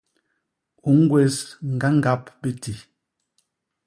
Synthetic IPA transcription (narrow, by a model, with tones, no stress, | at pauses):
u˨ŋ̩˦ɡwe˨sŋ̩˨ɡa˦ŋ˦ɡa˦pbe˦ti˨